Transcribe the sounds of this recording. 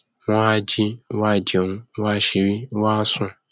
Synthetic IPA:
wa˦d͡ʒi˦wa˦˨d͡ʒo˨ŋũ˦wa˦ʃe˨wi˦wa˦sʊ̃˦

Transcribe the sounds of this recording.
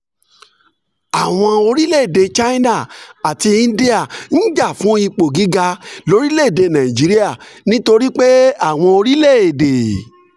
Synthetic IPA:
a˨w̃ɔ̃˧o˧ɾi˦le˦˨e˨de˨t͡ʃa˦i˦na˦˨a˨ti˧ĩ˦˧˦di˦a˦˨n̩˦d͡ʒa˦˨fũ˨˦i˧k͡po˨ɡi˨˦ɡa˧lo˨˧ɾi˦le˦˨de˨nã˨i˨d͡ʒi˨˦ɾi˦a˦˨nĩ˦to˧ɾi˦k͡pe˦a˦˨w̃ɔ̃˧o˧ɾi˦le˦˨e˨de˨

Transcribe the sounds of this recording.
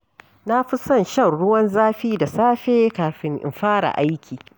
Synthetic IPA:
na˦ɸɪ˦sɐ˦˨nʃɐ˦˨rɽʊ˦wɐ˦nzaː˦ɸiː˦da˨saː˦ɸeː˦kaː˨ɸɪ˦ŋʔɪ̰˨mɸaː˦ɽa̰˨ʔa˦jkʲʰiː˨

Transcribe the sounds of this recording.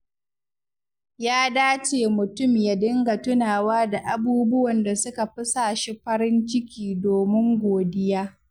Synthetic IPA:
jaː˦daː˦t͡ʃeː˨mʊ˨tʊ˦˨mja˨dɪ˦ŋɡa˨tʊ˦naː˨waː˦da˨ʔa˨buː˦bʊ˦wɐ˨nda˨sʊ˦ka˨ɸɪ˦saː˨ʃi˦ɸɐ˦ɾɪ˦nt͡ʃɪ˦kʲiː˨doː˨mɪ˦ŋɡʷoː˨dɪ˦jaː˦

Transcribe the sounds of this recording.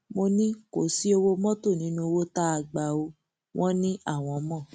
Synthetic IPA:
mo˧nĩ˦ko˨si˨˦o˧wo˧mɔ̃˦to˦˨nĩ˨˦nũ˧wo˦ta˦a˧ɡ͡ba˧o˧ | w̃ʔɔ̃˦nĩ˦a˦˨w̃ɔ̃˨˧mɔ̃˦˨

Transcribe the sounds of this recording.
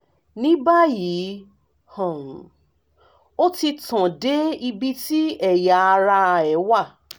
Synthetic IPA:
nĩ˦ba˦ji˨˦ | hɔ̃˨ũ˨ | o˦ti˧tã˨de˦i˧bi˦ti˦ɛ˦˨ja˨˦a˧ɾa˧ɛ˨˦wa˦˨

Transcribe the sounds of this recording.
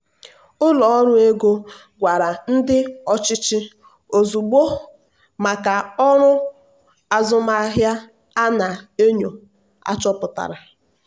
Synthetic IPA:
ʊ˦lɔ˨ɔ˦ɾʊ˦e˦ɡo˦ | ɡʷa˨ɾa˨n̩˦dɪ˦ɔ˦t͡ʃɪ˦t͡ʃɪ˦ | o˨zu˨ɡ͡bo˦ | ma˨ka˨ɔ˦ɾʊ˦ | a˨zʊ˦ma˦ɦja˦ | a˦na˨e˦ɲo˨ | a̰˦t͡ʃɔ˦pʊ˨ta̰˨ɾa˨

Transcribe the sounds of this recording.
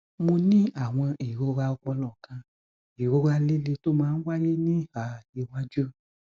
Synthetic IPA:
mo˧nĩ˦a˨w̃ɔ̃˧i˨ɾo˧˦ɾa˧ɔ˧k͡pɔ˧lɔ̃˨kã˧ | i˨ɾo˧˦ɾa˧le˦le˧to˦mãː˦˧n̩˦wa˦je˦nĩ˦a˨i˧wã˦d͡ʒu˦

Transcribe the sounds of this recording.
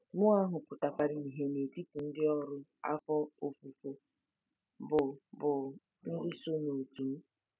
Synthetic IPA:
mʊ˦a˦ɦʊ˨kʷʊ˨ta˨kʷa˨ɾɪ˨ni˨ɦe˨ne˨ti˦ti˨n̩˦dɪ˦ɔ˦ɾʊ˦a̰˦fɔ˦o˨fu˨fo˨ | bʊ˨bʊ˨ | n̩˦dɪ˦so˦no˨tu˨m̩˦

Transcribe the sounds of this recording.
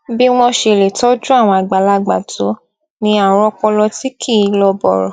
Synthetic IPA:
bi˦w̃ɔ̃˧ʃe˧˨le˨tɔ˦d͡ʒũ˦a˦˨w̃ɔ̃˧a˨ɡ͡ba˨la˧ɡ͡ba̰˨to˨˦ | nĩ˧a˨ɾ̃ɔ̃˧k͡pɔ˧lɔ˧ti˦kʰi˦˨˧lɔ˧bɔ̰˨ɾɔ̰˨

